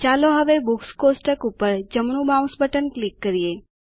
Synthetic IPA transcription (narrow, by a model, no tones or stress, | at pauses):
t͡ʃaloɦəʋebukskosʈəkupəɾd͡ʒəmɳ̃ũbãw̃sbəʈənklikːəɾije